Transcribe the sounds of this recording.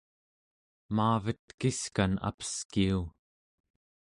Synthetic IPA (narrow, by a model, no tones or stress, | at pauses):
maːvət̪kiskana̰pə̥skiu